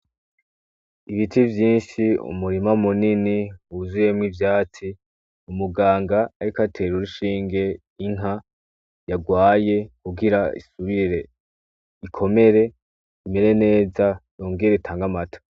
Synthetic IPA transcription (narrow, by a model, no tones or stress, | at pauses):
iβitivjiːnʃiṵmuɾimamuniniuzuje̞mŋivjaːt͡si | umuɡaːŋɡaːɾikatʰe̞ːɾuɾuʃiːŋɡe̞ | iŋ̥ɦa | jaɡwaːje̞kuɡiɾaḭsuβiɾe̞ | ikʰo̞me̞ɾe̞ | ime̞ɾe̞ne̞ːzajoːŋɡiɾeitʰaːŋɡamato̥